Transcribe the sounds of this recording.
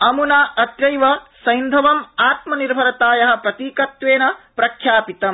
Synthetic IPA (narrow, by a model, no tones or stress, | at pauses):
ɐmunaɐt̪ɾɐjʋɐsɐjnd̪ʱɐʋɐmaːt̪mɐniɾbʱɐɾɐt̪aːjɐɦɐ̆pɾɐt̪iːkɐt̪ʋeːnɐpɾɐkʰjaːpit̪ɐm